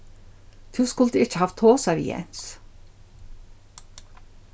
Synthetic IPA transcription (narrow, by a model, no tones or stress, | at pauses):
t̪ʰuskʊlt̪əɪht͡ʃːɪhaft̪ʰːoːsaɾḭjɛ̰n̥s